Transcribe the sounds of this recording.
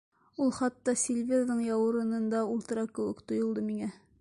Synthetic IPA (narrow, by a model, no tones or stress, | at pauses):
ulˠχɑt̪ːɑsʲelʲvʲed̪ðɤɴjɑwɤ̆ɾɤ̆nɤ̆nd̪ɑulˠt̪ɤ̆ɾɑkɘ̆wɘkt̪ŏjŏlˠd̪ɤmiŋæ